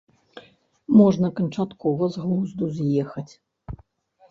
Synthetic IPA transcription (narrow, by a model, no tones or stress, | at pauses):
mɔʐnɐkɐnt͡ʂat̪kɔvɐzɣlˠuzd̪uzjɛxɐt͡sʲ